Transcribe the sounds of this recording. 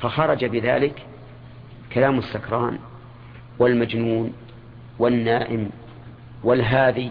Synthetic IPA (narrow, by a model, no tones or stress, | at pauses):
faxɑɾˤɑd͡ʒabɪða̰ːlɪk | kalaːmɪsːakɾˤɑːn | wɪlmad͡ʒnuːn | wɪnːaːʔɪm | wɪlɦaːði